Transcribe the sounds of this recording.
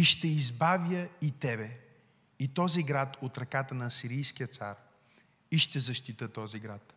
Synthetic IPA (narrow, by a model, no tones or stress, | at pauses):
iʃt̪ɛizbavjəit̪ɛbɛ | it̪ɔziɡɾat̪ot̪ɾɐkat̪ənɐːsiɾijskijət̪saɾ | iʃt̪ɛzɐʃt̪it̪ət̪ɔziɡɾat̪